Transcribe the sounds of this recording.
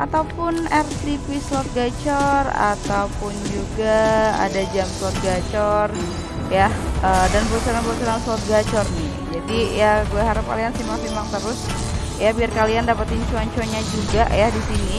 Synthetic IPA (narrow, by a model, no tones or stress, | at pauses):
ʔat̪awpʊnɛrt̪ipislɔt̪̚ɡat͡ʃɔra̰t̪awpʊnd͡ʒuɡaa̰dad͡ʒamslɔt̪̚ɡat͡ʃɔr | jaədanpəɾusaɾanpəɾusaɾaŋslat̪̚ɡat͡ʃɔrnɪ | d͡ʒadijaɡuaɦaɾap̚ka̰liansimaŋsimaŋt̪əɾʊs | jabiarkaliandapat̪ɪɲt͡ʃuaɲt͡ʃoɲad͡ʒuɡaʔjahdisini